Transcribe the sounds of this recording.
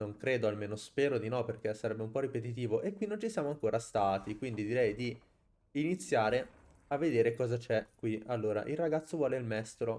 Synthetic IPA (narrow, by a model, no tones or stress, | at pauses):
oŋkɾeːd̪oalmeːnospeːɾod̪inɔperkesaɾɛbːeumpɔrːipet̪̬it̪̬iːvoʔekːwinːont͡ʃisjaːmoaŋkoːɾast̪aːt̪ikwind̪id̪iɾɛjd̪iː | nit̪sːjaːɾe | avːed̪eːɾekɔːzat͡ʃɛkːwialːoːɾa̰ʔilraɡat̪sːovwɔːleilmɛst̪ɾo